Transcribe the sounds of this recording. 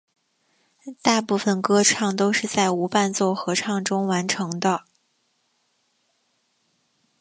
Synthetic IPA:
t̪a˥˧pu˥˩fə˩nkɤ˥ʈ͡ʂʰɑ˥˩ŋt̪o˥ʊʂɻ̩˥˧t͡sa˥˩ɪu˧˥pa˥˧nt͡swɔ˥˩xɤ˧˥ʈ͡ʂʰɑ˥˩ŋʈ͡ʂʊ˥ŋwa˧˥nʈ͡ʂʰɤ˧˥ŋd̪ə˧

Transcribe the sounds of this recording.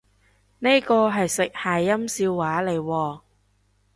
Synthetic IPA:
ne˥jkɔː˧ɦɐ˨jsɪ˨k̚haː˨˩jɐ˥msiː˧wːaː˨˥le˨˩jwɔː˧

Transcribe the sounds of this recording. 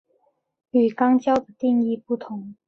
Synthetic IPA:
y˨˩kɑ˥ŋt͡ɕjɑ˥ʊd̪ə˨˩t̪i˥˧ŋi˥˧pu˥˩t̪ʰʊ˧˥˦ŋ

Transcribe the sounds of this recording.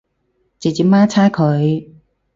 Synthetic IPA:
t͡se˨t͡siː˨˥maː˥t͡sʰaː˥jkʰɵ˨˧ɥ

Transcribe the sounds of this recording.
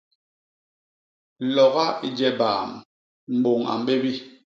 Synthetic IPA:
lɔ˨ɣa˦i˨d͡ʒɛ˦baː˨m | m̩˨bo˨ŋa̰˨m˨ɓe˦bi˦

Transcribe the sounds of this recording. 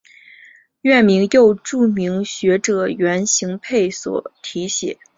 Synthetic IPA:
ɥɛ˥˩nmi˧˥ŋjo˥˧ʊʈ͡ʂu˥˩mi˧˥ŋɕɥɛ˧˥ʈ͡ʂɤ˨˩ɥɛ˧˥nɕi˧˥ŋpʰe˥˩ɪswɔ̰˨˩˦t̪ʰi˧˥ɕjɛ̰˨˩˦

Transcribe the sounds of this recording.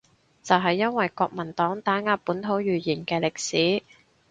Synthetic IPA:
t͡sɐ˨wɦɐ˨jːɐ˥nwɐ˨jkɔː˧k̚mɐ˨˩nt̪ɔː˨˥ŋt̪aː˨˥ŋaː˧˥pːuː˨˥nt̪ʰo˨˥wjyː˨˩jiː˨˩nkɛː˧lɪ˨k̚siː˨˥

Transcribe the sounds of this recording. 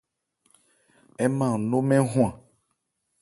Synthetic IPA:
ɛ˦mã˦˨no˦mɛ̃˦ɦũ˦ã˨

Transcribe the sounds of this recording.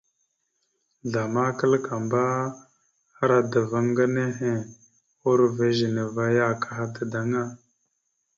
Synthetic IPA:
ɮa˨ma˦kə˦lka˨mba˦ | a˦ɾa˨də˨və˦ŋɡa˦ne˦ɦe˨ | o˦ɾve˦ʒə˨ne˨va˦ja˦ka˨ɦa˦də˨da˨ŋa˦

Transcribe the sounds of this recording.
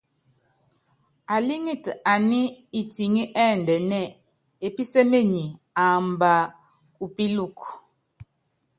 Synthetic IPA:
a˨li˦ŋi˦˨ta˨ni˦i˨ti˨ŋi˦ʔɛ˦˨n˨dɛ˨nɛ˦˨ | e˨pi˦se˦me˦˨ɲi˨ | a˨mba˨ | kʼu˨pi˦lu˦˨k

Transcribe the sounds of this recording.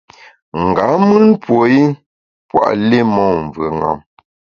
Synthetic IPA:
ŋ̩˨ɡa˨˦mɨ˦npwo˨i˦ | pwa̰˦˨ʔle˦mɔ˨ɱ˨və˨ŋa̰˨m

